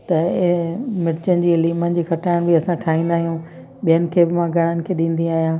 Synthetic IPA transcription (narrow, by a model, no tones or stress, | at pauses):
t̪ɐ | mɪɾt͡ɕənɪd͡ʑiːɪliːmənɪ̆d͡ʑiːkʰɐʈaːɪɽ̃bʱiɐsãʈʰaːɦĩːnd̪aːɦijũ | ɓijənɪ̆kʰeːbɪmãɡʱɐɽ̃ənɪ̆kʰeːɗĩːn̆d̪ĩaːɦijãː